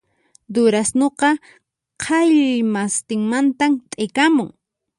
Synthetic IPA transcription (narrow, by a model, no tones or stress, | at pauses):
d̪ʊɾasnoqɑ | qʰɑjʎmast̪ɪŋmant̪amt̪ʼejkamʊŋ